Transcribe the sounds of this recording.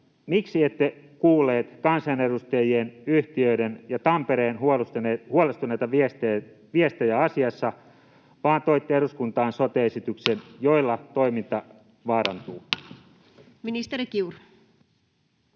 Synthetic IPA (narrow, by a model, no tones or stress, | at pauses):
miksiet̪ːe | kuːlːˑeːt̪kɑnsɑne̞ɾust̪ejienyht̪iøidenjɑt̪ɑmpeɾeːnhusehuolest̪unejt̪ɑʋist̪e | ʋiest̪ejæɑsiɑsːɑ | ʋɑːnt̪oit̪ːeeɾuskunt̪ɑːnsot̪eesit̪yksenjoilːɑt̪oimint̪ɑ | ʋɑːɾɑ̰nt̪uː | minist̪eɾikiur